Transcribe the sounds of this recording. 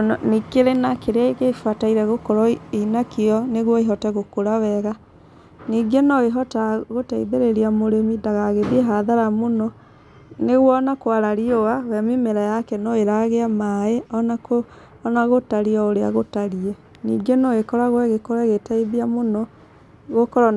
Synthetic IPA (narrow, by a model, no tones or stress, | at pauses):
nikeɾenakeɾeaiɣefataiɾɛɣokɔɾɔinakeɔneɣwɔeɦɔtɛɣokoɾaβɛɣa | niːɡenɔeɦɔtaɣotaiðeɾeɾiamoɾemidaɣaɣeβieɦaðaɾamonɔ | neɣwɔnakwaɾaɾiɔawɛmimeɾajakɛnɔeɾaɣeamaeɔnakoː | naɣotaɾiaoɾea̰ɣotaɾiɛ | nḭːɡenɔekɔɾaɣwɛɣekɔɾaɣetaiðiamonɔ | ɣokɔɾa